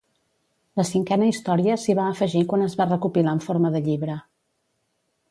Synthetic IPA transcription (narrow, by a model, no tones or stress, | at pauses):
ləsiŋkɛnəist̪ɔɾiəsiβaːfəʒikwanəzβarəkupilaəɱfoɾməðəʎiβɾə